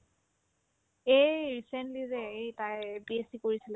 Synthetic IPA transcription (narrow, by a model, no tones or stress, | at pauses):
ejɹisentlizɛejtajbiesikoɹisilɛ